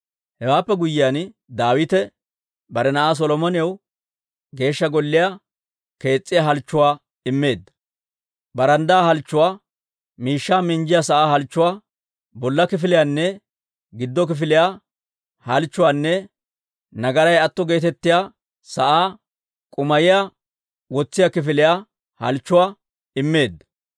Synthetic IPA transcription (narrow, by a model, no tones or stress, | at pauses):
hɛwaːpːɛɡʊjːɪjaːn | d̪aːwɪt̪ɛ | bɐɾɛnɐʔaːs̬ɔlɔmɔnɪjɐw | ɡe̞ːʃːɐɡɔlːɪja | ke̞ːt͡sʼːɪjaɦɐlt͡ʃːʊwaː | ɪmːe̞ːd̪ːɐ̥ | bɐɾɐnd̪aːhɐlt͡ʃːʊwaː | miːʃːaːmɪɲd͡ʒɪjasɐʔaːhɐlt͡ʃːʊwaː | bɔlːɐkɪfɪlɪjaːnːɛ | ɡɪd̪ːɔk̬ɪfɪlɪjaː | hɐlt͡ʃːʊwaːnːɛ | nɐɡɐɾɐjɐt̪ːɔɡe̞ːt̪ɛt̪ːɪja | sɐʔaː | kʼʊmɐjɪja | wɔt͡sːɪjakɪfɪlɪja | hɐ̰lt͡ʃːʊwaː | ɪmːe̞ːd̪ːɐ̥